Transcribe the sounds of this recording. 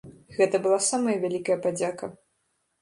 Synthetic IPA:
ɣɛt̪ɐbɨlˠasamɐjɐvʲalʲikɐjɐpad͡zʲakɐ

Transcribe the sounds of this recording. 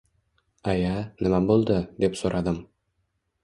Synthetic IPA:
ajanɪmabolˠd̪ɪd̪e̞psoɾʔad̪ɪm

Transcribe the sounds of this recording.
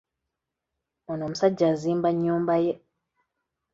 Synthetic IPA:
onoːmusaɟːaziːmbaɲːuːmbaje

